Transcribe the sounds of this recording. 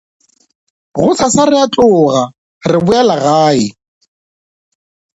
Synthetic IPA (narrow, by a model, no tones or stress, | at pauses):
ɣʊsʰasarɪatʼʊːɣa | rɪbʊɛlaɣaːɪ